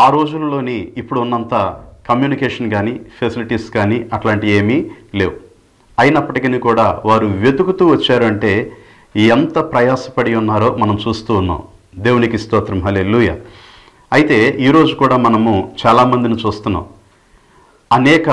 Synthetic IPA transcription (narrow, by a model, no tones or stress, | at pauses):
aːɾo̞ːd͡ʒulɐlo̞ːniːpːuɽuunːɐnt̪akɐmjuːnikeːʂɐnɡaːnipʰesiliʈiːskaːniɐʈlaːɳʈie̞ːmile̞ːwu | ɐjinɐpːɐʈikinikuːɽaːʋaːɾuʋe̞d̪ukut̪uːʋɐt͡ʃːaːɾɐɳʈe̞ː | iɐnt̪ɐpɾɐjaːsɐpɐɽiunːaːɾo̞ːmɐnɐmt͡ʃuːst̪uːnːa̰ːm | d̪eːwunikist̪ɔːt̪ɾɐmɦɐleluːjaː | ɐjit̪e̞ːʔiːɾo̞ːd͡ʒukuːɽaːmɐnɐmut͡ʃaːlaːmɐnd̪init͡ʃuːst̪unːa̰ːm | ɐnɛːkɐ